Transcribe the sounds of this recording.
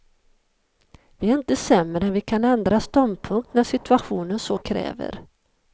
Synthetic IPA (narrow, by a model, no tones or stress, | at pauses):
vɪɛɾɪnt̪əsɛmːɾɛnvɪkʰanɛnd̪ɾast̪ɔnd̪̚pʰɵŋkt̪næʂɪt̪ɵaɧuːnənsoːkʰɾɛ̰ːvə̰ɾ